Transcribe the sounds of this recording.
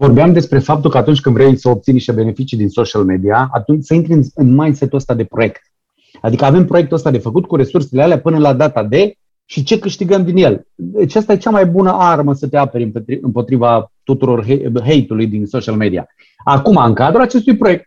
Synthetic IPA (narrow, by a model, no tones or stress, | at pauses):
vo̞rbeamd̪e̞spɾe̞fap̚t̪ulkəat̪unt͡ʃʲkɨnd̪vɾejsəo̞p̚t̪siniʃt̪e̞be̞ne̞fit͡ʃid̪inso̞ʃialme̞d̪iaa̰t̪unt͡ʃʲsəint̪ɾiɨnɨnmajnse̞t̪uəst̪ad̪e̞pɾo̞je̞kt̪ | ad̪ikəave̞mpɾojek̚t̪əst̪ad̪e̞fəkut̪̚kuɾe̞surse̞lealeapɨnəlad̪at̪ad̪e̞ | ʃit͡ʃe̞kɨʃt̪iɡəmd̪inje̞lat͡ʃast̪aje̞t͡ʃamajbunəʔarməsət̪eapeɾʲɨmpet̪iɨmpo̞t̪ɾivat̪ut̪uɾo̞rɦeɦe̞jt̪ulujd̪inso̞ʃialme̞d̪ia̰ | akumaɨŋkad̪ɾulat͡ʃe̞st̪ujpɾo̞je̞k̚t̪̚